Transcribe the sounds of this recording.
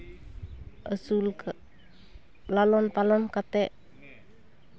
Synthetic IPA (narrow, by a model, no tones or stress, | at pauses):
ʔəsulk | lalɔnpalɔnkat̪ɛʔ